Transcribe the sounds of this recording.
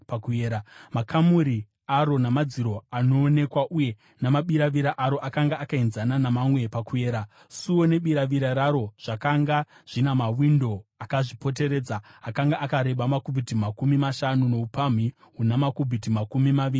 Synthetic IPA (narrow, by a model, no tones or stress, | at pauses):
pakueːɾamakʰamuɾi | aɾo̞namad͡ziɾo̞ano̞ːne̞kwaʔuje̞ | namaɓiɾaʋiɾaʔaɾo̞ʔakaŋɡaːkainzananamamwe̞pakuje̞ːɾa | suwo̞ne̞ɓiɾaʋiɾaɾaɾo̞ʐ̥akaŋɡa | ʐ̥inamawindo̞akaʐipo̞t̬e̞ɾe̞ːd͡zaːkaŋɡaʔakaɾe̞ɓamakubʱitimakumimaʃanuno̞upam̤i | ɦunamakubʱitimakumimaʋiːri